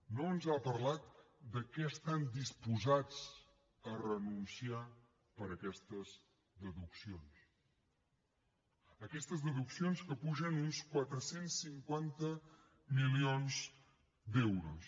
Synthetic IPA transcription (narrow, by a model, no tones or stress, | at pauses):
noənzapəɾlat̪̚d̪əkɛəst̪and̪ispuzad͡z | ərənunsia | pəɾəkɛst̪əz | d̪əðuksions | əkɛst̪əzðəðuksionskəpuʒənunskwat̪ɾəsensːiŋkwant̪ə | milionz | d̪ɛwɾo̰s